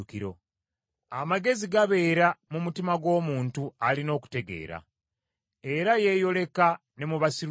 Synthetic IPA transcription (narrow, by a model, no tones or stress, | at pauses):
kiɾo̞ | amaɡe̞ziɡaβe̞ːɾamumutimaɡwo̞ːmuːntualino̞ːku̥te̞ɡe̞̰ːɾa̰ | e̞ɾaje̞jo̞le̞ka | ne̞muβasiɾ